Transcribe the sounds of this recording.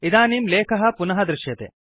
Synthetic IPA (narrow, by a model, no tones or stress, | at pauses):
id̪aːniːmleːkʰɐɦɐ̆punɐɦɐd̪ɾɪʃjɐt̪ḛː